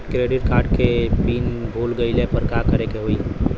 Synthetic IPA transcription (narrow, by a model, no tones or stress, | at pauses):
kɾeɖiʈkaɾɖkepinbʱulɡəɪlepəɾkakəɾekeɦoi